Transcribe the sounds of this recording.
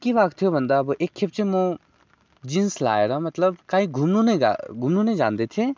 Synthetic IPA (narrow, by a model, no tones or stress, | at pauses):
kibaːkt̪ʰijobɐnd̪abʔeːkʰːep̚t͡ʃemõ | d͡ʒinsla̰ːeːɾamɐt̪ləbkaːĩɡʱumnũnḛ̃ɡʱumnũnẽd͡ʒaːnd̪et̪ʰe